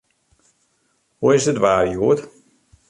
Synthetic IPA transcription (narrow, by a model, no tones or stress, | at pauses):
huɪzdətʋaːrjuət